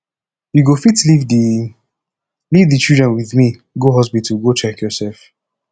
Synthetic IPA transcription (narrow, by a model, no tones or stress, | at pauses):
juɡofitlivdi | livdit͡ʃildɹɛ̃nwiðmi | ɡoɦɔsbituɡot͡ʃɛkjɔsɛlf